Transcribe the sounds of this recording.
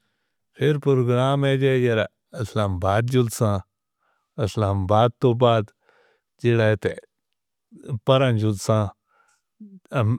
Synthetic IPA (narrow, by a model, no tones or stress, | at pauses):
pʰɪɾpɾoɡɾaːmed͡ʒejɐɾa | ɐslaːmbaːd̪̚d͡ʒuld̪sãː | ɐslaːmbaːd̪̚t̪oːbaːd̪ | d͡ʒilaet̪e | pɐɾɐ̃nd͡ʒud̪sãː